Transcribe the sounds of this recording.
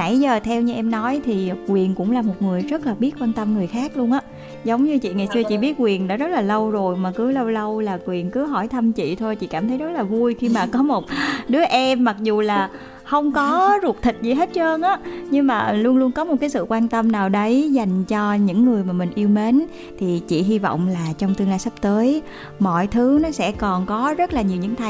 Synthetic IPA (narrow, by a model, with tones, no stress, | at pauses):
a̰˧˩jzəː˨˩t̪ʰɛ˧wɲɨ˧ʔɛ˧mnɔ˨˦jt̪ʰi˨˩kwi˨˩ənkʊ̰˧˥ŋ͡mlaː˨˩mo˨˩t̚ŋɨ˨˩əjzə˦˥t̚laː˨˩ɓi˦˥t̚kwaː˧nt̪ə˧mŋɨ˨˩əjxaː˦˥k̚lu˧ənʔaː˨˦ | zə˨˦wŋ͡mɲɨ˧t͡ɕḭ˧˨ŋa˨˩jsɨ˧ət͡ɕḭ˧˨ɓi˦˥ət̚kwi˨˩ənɗɔ̰˨˦zə˦˥t̚laː˨˩lə˧wzo˨˩jmaː˨˩kɨ˨˦lə˧wlə˧wlaː˨˩kwi˨˩ənkɨ˨˦ɦɔ˧˩jt̪ʰə˧mt͡ɕḭ˧˨t̪ʰo˧jt͡ɕḭ˧˨kaː˧˩mt̪ʰə˨˦jzə˦˥t̚laː˨˩vu˧əjxi˧maː˨˩kɔ˨˦mo˨˩t̚ɗɨ˨˦əʔɛ˧mːa˨˩k̚zu˨˩laː˨˩ | xə˧wŋ͡mkɔ˨˦zu˨˩k̚t̪ʰï˨˩k̟̚zi˨˩ɦe˦˥t̚t͡ɕəː˧nʔaː˨˦˥ɲɨ˧ŋmaː˨˩lu˧ənlu˧ənkɔ˨˦mo˨˩kaː˨˦jsɨ̰˧˨kwaː˧nt̪ə˧mnaː˨˩wɗə˨˦jza˨˩jŋ̟t͡ɕɔ˧ɲɨ̰˧˥ŋːɨ˨˩əjmaː˨˩mï˨˩ŋ̟ʔi˧əwme˨˦n | t̪ʰi˨˩t͡ɕḭ˧˨ɦi˧vɔ̰˧˨wŋ͡mlaː˨˩t͡ɕɔ˧wŋ͡mt̪ɨ˧əŋlaː˧jsə˦˥p̚t̪əː˨˦j | mɔ̰˧˨jt̪ʰɨ˨˦nɔ˨˦sɛ̰˧˥kɔ˨˩nkɔ˨˦zə˦˥t̚laː˨˩ɲi˨˩ɲɨ̰˧˥ŋt̪ʰa˨˩